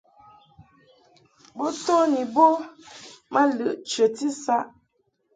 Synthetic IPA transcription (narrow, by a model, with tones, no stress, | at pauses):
bo˦to˦ni˨bo˦ | mə˦lə˦˨ʔt͡ʃə˨ti˦sa˦ʔ